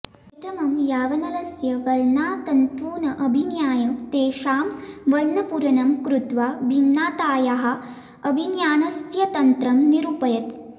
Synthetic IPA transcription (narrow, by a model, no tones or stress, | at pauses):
it̪ʰɐmɐmjaːʋɐnɐlɐsjɐʋɐlnaːt̪ɐnt̪uːnɐʔɐbʱinjaːjɐmt̪eːʃaːmʋɐlnɐpuɾɐnɐmkɾut̪ʋaːbʱinːaːt̪aːjaɦɐ̆ | ɐbʱinjaːnɐsjɐt̪ɐnt̪ɾɐmniɾuːpɐjɐt̪̚